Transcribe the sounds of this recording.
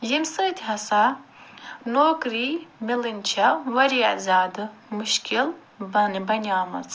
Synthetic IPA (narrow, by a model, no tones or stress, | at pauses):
jimsɨːt̪ʰʲɦɐsa | noːkɾimilinʲt͡ʃʰɐʋɐɾḭzʲaːd̪ɨmuʃkʰil | bɐnbɐnʲaːmɐ̰t͡s